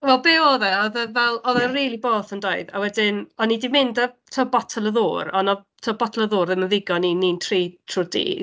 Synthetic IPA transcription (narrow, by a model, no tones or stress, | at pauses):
wɛlˠbeːɔːðɛɔðəvɛlˠɔðɛriːlˠiboːθəndoɨða̰wɛdɪnɔnidimɪndətʰɔbɔtʰɔlˠəðʊːrɔnɔ | tʰɔbɔtʰɔlˠəðʊːrðəməðɪɡɔninintʰriːtʰrʊdḭ